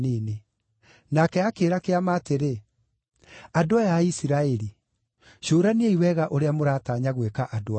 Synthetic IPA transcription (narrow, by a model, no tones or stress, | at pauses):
neːne | nakɛakeːɾakeamaːteɾe | adoajaisiɾaɛɾi | ʃoːɾaneeiwɛɣaʔoɾeamoɾaːtaːɲaɣwekaʔadoa